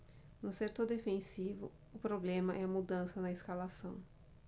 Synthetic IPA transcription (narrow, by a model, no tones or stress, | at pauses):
nʊseɾt̪od̪efẽsivʊ̰ | ʊpɾoblẽmɐʔɛɐmud̪ɐ̃sɐnɐɪskalasɐ̃w̃